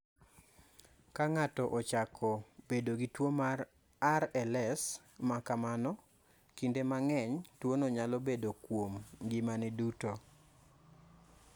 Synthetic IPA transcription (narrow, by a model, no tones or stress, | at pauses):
kaŋatɔʔɔt͡ʃakʰɔb̥edoɡitwomar | aɾɛlɛs | makamanɔ | kindemaŋɛɲtwonɔɲalɔbedokwomɡɪmanɛduto